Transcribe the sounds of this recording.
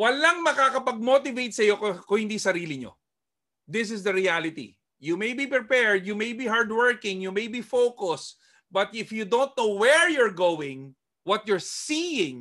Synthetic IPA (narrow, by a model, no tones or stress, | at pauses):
wɐlaŋmɐkakɐpɐɡ̚mot̪ɪvejt̪̚sɐjo̞kkʊhɪnd̪isɐɾiːlɪɲo̰ | d̪ɪs̬ɪsd̪ɐɾialɪt̪ḭ | jumejbipɾɪpɛɹd̪jumejbiɦaɹd̪wɛɹkɪ̃ŋjumejbifokʊs | bɐt̪ɪfjud̪õwnt̪̚nowwɛɹjɔɹɡowɪ̃ŋ | wɐt̪̚jɔɹsijɪ̃ŋ